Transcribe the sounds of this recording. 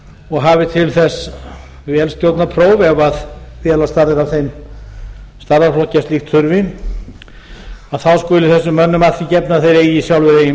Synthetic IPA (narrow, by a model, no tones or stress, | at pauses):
ɔɣɦavɪt̪ʰɪlθɛsː | vɛːlst̪jowt̪napʰɾoːwvɛvaðfjɛːlast̪aɾðɪɾavθejm | st̪aɾðaflɔhcast̪lixt̪ʰʏɾvɪn | aðθawskʏːlɪθɛsːʏmːœnːʏmaθicɛpnaθejɾeːjɪsjawlvɪɾejɪ